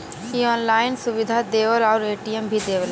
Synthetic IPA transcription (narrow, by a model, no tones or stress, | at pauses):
kiɔːnlaːɪnsuʋid̪ʱad̪eːʋəlɔʊɾeːʈijəmbʱid̪eːʋəl